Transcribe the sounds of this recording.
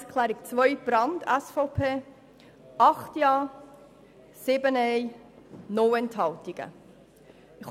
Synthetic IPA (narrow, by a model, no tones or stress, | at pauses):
skʰlæːɾikt͡svœʏb̥ɾɑndɛsfɔʊpʰeː | ɑχtjɑː | sɪbənɛj | nɔwɛnthɦɑltiɡ̥ə̰ | ɪχ